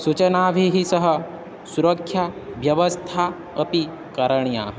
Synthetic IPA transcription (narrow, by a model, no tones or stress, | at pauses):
sut͡ʃɐnaːʋʱiɦisɐɦɐ | suɾɐkʰːjaʋjɐʋɐst̪ʰa | ɐpi | kɐɾɐɳja̰